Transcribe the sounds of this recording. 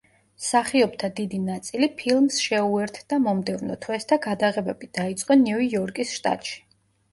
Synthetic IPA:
saχiɔbt̪ʰad̪id̪inat̪sʼilipʰilˠmsʃɛuɛɾt̪ʰd̪̥amɔmd̪ɛvnɔ̰t̪ʰwɛst̪ʰaɡad̪aʁɛbɛbid̪̥ait̪sʼqʼɔniijɔɾkʼisʃt̪ʼa̰t̪ʼʃi̥

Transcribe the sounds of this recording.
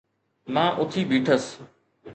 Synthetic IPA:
mãːʔʊt̪ʰiːbʱiːʈʰəs

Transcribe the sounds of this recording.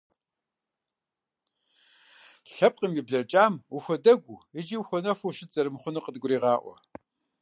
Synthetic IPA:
ɬɐp̚qʼimibɮɐt͡ʃʼaːmuxʷɔdɐɡʷuɪd͡ʒiwxʷɔnɐfʷuɕɪtzɐrɨmχʷʊnɨqədɡʷʊɾiːʁɑːʔʷɔ̰

